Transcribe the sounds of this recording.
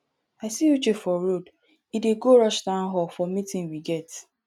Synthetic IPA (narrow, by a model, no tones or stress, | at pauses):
aɪsijut͡ʃefɔɾod | ideɡoɾʌʃdãʊ̃n̩ɦɔlfɔmitɪ̃nwiɡɛt